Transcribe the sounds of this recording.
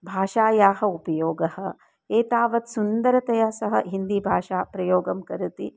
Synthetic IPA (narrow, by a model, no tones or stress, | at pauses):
bʱaːʃaːjaːɦɐupɐjoːɡɐhɐ̆ | eːt̪aːʋɐt̪sund̪ɐɾɐt̪ɐjaːsɐɦɐ̰̆ɦind̪ibʱaːʃaːpɾɐjoːɡɐmkɐɾut̪i